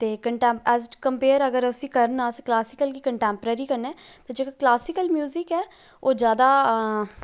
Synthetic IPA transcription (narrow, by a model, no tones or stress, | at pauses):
t̪eːkəɳʈɛ̃ːmpɛːzkəmpeːəɾəɡəɾʊsĩːkəɾənaːsklaːsɪkəlkiːkəɳʈɛ̃ːmpəɾəɾiːkəɾnɛːt̪ãːd͡ʒeːkaklaːsɪkəlmjuːzɪkɛː | oːd͡ʒjaːd̪aː